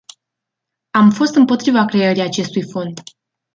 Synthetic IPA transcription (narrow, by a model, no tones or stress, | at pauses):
amfo̞st̪ɨmpo̞t̪ɾivakɾe̞əɾijat͡ʃe̞st̪ujfo̞nd̪